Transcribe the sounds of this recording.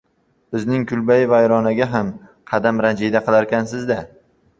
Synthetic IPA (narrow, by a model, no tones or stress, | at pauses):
bɪznɪŋkʰʊlbajɪvajɾɒnaɡʲaɦamqʰɑd̪amɾand͡ʒid̪aqɨlˠaɾkʲansɪzd̪a